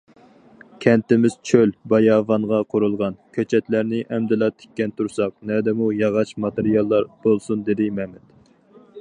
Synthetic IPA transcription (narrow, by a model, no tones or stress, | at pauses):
kʲʰɛnt̪ɪmɪz̥t͡ʃʰølbɑjɑːvɑɴʁɑqʰʊɾulˠʁɑnkʲʰøt͡ʃʰɛt̪læɾnɪʔɛmd̪ɪlɑt̪ʰe̥kʲːɛnt̪ʰuɾsɑq̚nɛd̪ɛmujɑʁɑt͡ʃmɑt̪eɾijɑlˠːɑɾb̥olˠsund̪ed̪ɪmɛmɛt̪